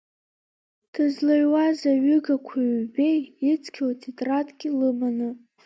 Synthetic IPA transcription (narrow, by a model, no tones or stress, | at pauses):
d̥ʰazlaɥwazaɥʏɡakʷʰaɥbejit͡sʰʼkʲʰoltʰetʼratʼɡʲɪlɨmanɨ